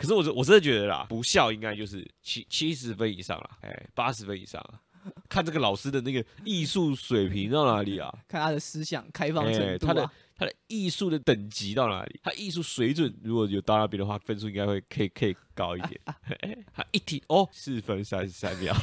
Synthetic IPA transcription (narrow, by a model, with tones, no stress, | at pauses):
kʰʂ̬ɻ̩˥˩wɔ˨˩˥wɔ˨˩ʈ͡ʂə˥nd̪ə˨t͡ɕɥɛ˧˦˥ə˨˧lɐ̰˨pu˧˥ɕjɑ˥˧ʊi˥ŋka˥ɪt͡ɕjo˥˧ʊʂ̬ɻ̩˥˩t͡ɕʰi˥t͡ɕʰi˦˥ʂ̬ɻ̩˧˦fə˦nḭ˨˩ʂɑ̰˥˩ŋlɐ̰˨˩ḛ˥˨˩ɪpa˦˥ʂɻ̩˧˦fə˦nḭ˨˩ʂɑ̰˥˩ŋlɐ̰˩ | kʰa˥˩na˥˩ɡə˨lɑ˨˩ʊʂɹ̩˥d̪ə˨na˥˩ɡə˩i˥˧su˥˩swe˨˩ɪpʰi˧˥ŋt̪ɑ˥˩ʊna˧˥li˨˩lɐ̰˩kʰa˥˩ntʰa˥ə˨sɹ̩˥ɕjɑ̰˨˩ŋkʰa˥ɪfɑ˥˧ŋɛ˥˩t̪ʰa˥˦d̪ə˨ | t̪ʰa˥d̪ə˨i˥˧su˥˩d̪ə˩t̪ə˨˩ŋt͡ɕi˧˥t̪ɑ˥˩ʊna̰˧˥lḭ˨˩t̪ʰa˥d̪ə˨˧i˥˧s̬u˥˩swe˧˥ɪt͡swə˨˩˦nɻu˧˥kwɔ˨˩jo˨˩ʊt̪ɑ˥˩na˥˩p̬jnd̪ə˨wa˥˩fə˥˧ns̬u˥˧ĩ˧˥ŋɡa˥xwe˥˩ɪkʰə˧˥i˨˩kʰə˧˥i˨˩kɑ˥ʊi˥d̪jɛ̰˨˩˦n˥˩˥tʰa̰˦˥ʔi˥t̪ʰi˨˩o˥˩sɹ̩˥˩fə˦nsa˥˧sa̰˧˥mjɑ̰˥˨˩ʊ